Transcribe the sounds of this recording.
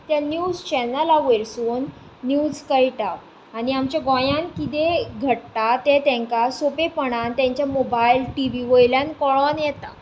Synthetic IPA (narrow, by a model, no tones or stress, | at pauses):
t̪janjud͡zt͡ɕɛnalaʋeɾsuːnː | jud͡zkəjʈaː | niamt͡ɕjaɡɔ̃jãnkit̪eɡʱəʈt̪at̪ɛt̪ɛ̃ŋkasopepəɳ̃ant̪jãɲt͡ɕjamobajlʈiʋiʋojljankɔɭɔnjɛt̪a